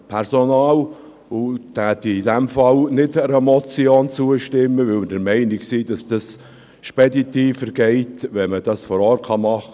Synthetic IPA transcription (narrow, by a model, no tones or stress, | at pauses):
pʰɛɾsonɑːl | ʊtæːt̪iidɛmfɑlnɪdəɾəmɔt͡sioːnt͡suəʃtɪmːəvɪlməd̥əɾmɛɪnɪksiːd̥ɑsd̥ɑs | ʃpɛditiːfəɾɡ̥ɛɪtʋɛnməd̥ɑsfɔɾɔːrtkɑmɑχə